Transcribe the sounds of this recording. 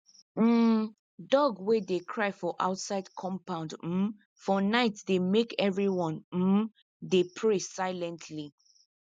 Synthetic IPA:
m̩ | dɔɡwedekʰɹaɪfɔʔa̰ʊtsaɪdkʰɔ̃mpãʊ̃ndm̩ | fɔnaɪtdemekɛvɹiwɔ̃nm̩ | depʰɹesaɪlɛ̃ntʰli

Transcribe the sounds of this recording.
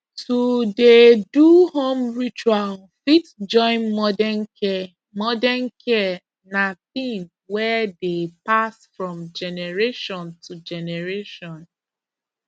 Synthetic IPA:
tudeduhõmɹit͡ʃual | fitd͡ʒɔ̃ɪ̃nmɔdɛnkɛ | mɔdɛnkʰɛ | naθĩm | wɛdepasfɹɔ̃md͡ʒɛnɛɹeʃɔ̃ntʰud͡ʒɛnɛɹeʃɔ̃n

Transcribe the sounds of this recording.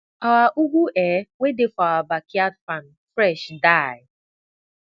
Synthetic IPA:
awaʔuɡʷuʔɛːwedefaabakiatfan̩fɾɛʃdaɪ

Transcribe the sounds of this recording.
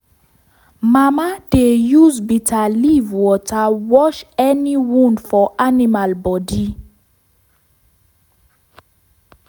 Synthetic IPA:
mamadejuzbitʰalivwɔtawɔʃɛniwũndfɔʔanimalbɔdi

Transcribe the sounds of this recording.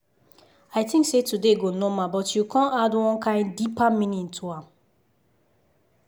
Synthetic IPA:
aɪtĩŋksetudeɡonomãbɔtjukʰɔ̃nadwɔ̃nkʰãɪ̃ndipamĩnĩntʰuãm

